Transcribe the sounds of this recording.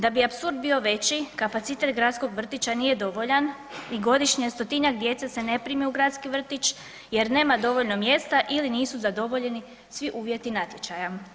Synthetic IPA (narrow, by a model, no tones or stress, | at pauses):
d̪abiapsuɾd̪̚biːo̞ʋe̞t͡ɕikapat̪sit̪e̞t̪ɡɾat̪sko̞ɡʋr̩t̪it͡ɕanije̞d̪o̞ʋo̞ʎan | iɡo̞d̪iʃɲiest̪o̞t̪iɲakd̪je̞t̪sese̞ne̞pɾimiuɡɾat̪skiʋr̩t̪it͡ɕ | je̞ɾne̞ːmad̪o̞ʋo̞ʎno̞mje̞st̪aʔiliniːsuzad̪o̞ʋo̞ʎe̞ni | sʋiʔuːʋje̞t̪inat̪ljet͡ɕaja